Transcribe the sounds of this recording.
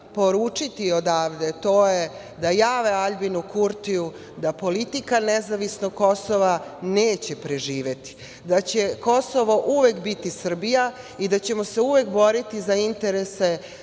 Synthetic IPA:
po̞ɾuːt͡ʂit̪iod̪aːʋd̪e̞t̪o̞ːje | d̪ajaːʋeaʎbinukuɾt̪iu | d̪apo̞lit̪ikanezaʋisnoɡkːo̞soʋaneːt͡ɕe̞pɾeʒiːʋe̞t̪i̥ | d̪at͡ɕe̞ko̞soʋo̞ʔuʋekbit̪isr̩bija | id̪at͡ɕe̞moseuʋe̞kbo̞ɾit̪izaint̪eɾese

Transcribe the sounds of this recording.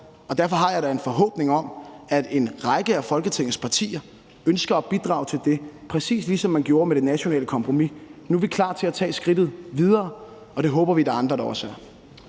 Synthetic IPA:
ɒ̽d̥æɐfɒ̽ɦɑ̈jɑ̈ɪɾɑ̈e̝nfɒ̽ɦɔ̰̽ːb̥ne̝ŋɒ̽mæd̥e̝nʁɑ̈ɡ̥əæfɒ̽lɡ̥ət͡sʰeŋ̰̩spʰɑ̈t͡sʰḭːɐ | ønsɡ̥ɐːb̥id̥ʁɑ̈ːʊt͡sʰe̝ld̥e̝pʰʁɛsḭːslisɒ̽mːænɡ̥jo̝ːɐmeɾ̥e̝næɕo̝nɛ̰ːləkʰɒ̽mpʰʁo̝minuʋikʰlɑ̰̈ːt͡sʰe̝æt͡sʰɛ̰ːsɡ̥ʁid̥ð̩ˠʋið̞ˠɐː | ɒ̽ɾ̥e̝ɦɔ̽ːb̥ɐʋid̥ɑ̈ɑ̈nd̥ʁɐd̥ɑ̈ɒ̽sæɐ

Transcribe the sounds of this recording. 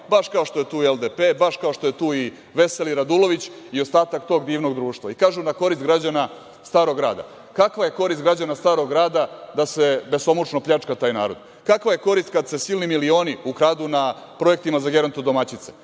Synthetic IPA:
baʃkao̞ʃt̪ojet̪uːield̪epeːbaʃkaoʃt̪o̞jet̪uːi | ʋe̞seliɾad̪ulo̞ʋit͡ɕ | io̞st̪aːt̪akt̪o̞ːɡd̪iːʋno̞ɡd̪ɾuːʃt̪ʋaikaːʒunako̞ɾist̪ɡɾad͡ʑana | st̪aːɾo̞ɡɾa̰ːd̪a̰ | kakʋaje̞ko̞ɾist̪ɡɾad͡ʑanast̪aːɾo̞ɡɾaːd̪ad̪ase̞be̞so̞mut͡ʂnopʎʲat͡ʂkat̪aːjnaːɾo̞̰d̪ | kakʋaje̞ko̞ɾist̪̚kad̪se̞silnimilio̞ːniukɾaːd̪una | pɾo̞e̞k̚t̪imazaɡe̞ɾont̪od̪o̞mat͡ɕit̪se̥

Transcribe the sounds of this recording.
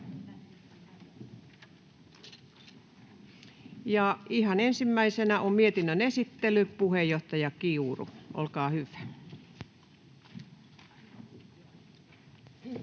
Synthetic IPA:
jɑihɑnensimːæisenæʔommiet̪inːønesit̪ːelypuhejoht̪ɑjɑkiurṵʔo̰lkɑːhyʋæ̥

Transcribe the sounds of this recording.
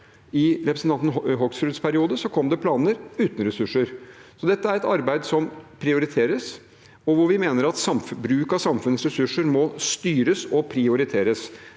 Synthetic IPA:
ɪɾɛpɾsn̩t̪ɑnt̪n̩ɦɔksfɾʉt̪spʰæɾɪuːd̪əsɔkʰɔmd̪ɛpʰlɑːnəɾʉːt̪n̩ɾɛsʉʂːəɾsɔd̪ɛt̪ːəæɾɛt̪ɑɾbæɪd̪sɔmpʰɾɪʊɾɪt̪ʰeːɾəs | ɔʋʊɾʋɪmeːnəɾɑt̪sɑmfbɾʉːkɑsɑmfʉnəsɾɛsʉʂːəɾmɔst̪yːɾəsɔpʰɾɪʊɾɪt̪ʰeːɾəs

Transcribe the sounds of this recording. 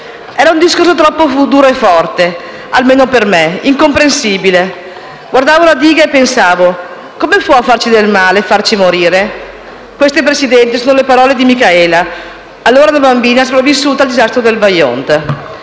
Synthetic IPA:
ɛːɾaund̪iskors̬ot̪ɾɔpːofud̪uːɾoefːɔrt̪e | a̰lmeːnopermeiŋkompɾensiːbile | ɡward̪aːvolad̪iːɡaepːensaːvo | komepwɔfːart͡ʃid̪elmaːleːfart͡ʃimoɾiːɾe | kwest̪ep̬ɾesid̪ɛnt̪isoːnolepaɾɔːled̪imikaɛːla | alːoːɾaunabambiːnas̬opɾavisːuːt̪aːld̪izast̪ɾod̪elvajo̰nt̪

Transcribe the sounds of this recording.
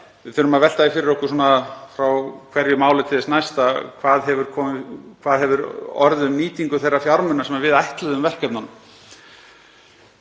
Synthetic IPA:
vɪðθʏɾʏmaðvɛl̥t̪aðifɪɾɪɾɔhkʏs̬ɔːnafɾawkʰvɛɾjʏmaːwlɪt̪ʰɪlðɪsnajst̪akʰvaːðɦɛvʏɾ̥kʰɔːmɪkʰvaːðɦɛvʏɾɔ̰ɾðʏmːiːt̪iŋkʏθejrːafjaɾmʏnasɛmaɾvɪðajht̪lɛðʏmvɛr̥kɛpnanʏm

